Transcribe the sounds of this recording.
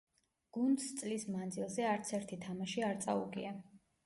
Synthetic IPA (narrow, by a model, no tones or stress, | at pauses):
ɡ̥und̪st̪sʼlismand̪zilˠzɛaɾt̪sʰɛɾt̪ʰit̪ʰamaʃiaɾt̪sʼaṵɡḭa